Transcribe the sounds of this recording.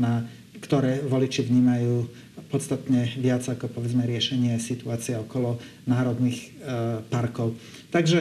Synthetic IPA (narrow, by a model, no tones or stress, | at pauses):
na | kt̪ɔɾɛːʋɔlit͡ʃiʋɲiːmajuː | pɔt̪st̪at̪ɲɛʋɪad͡zakɔpɔʋɛd͡zmɛɾɪɛʃɛɲɪɛsit̪uaːt͡siɛɔkɔlɔnaːɾɔd̪nixpaɾkɔʊ | t̪aɡʒɛ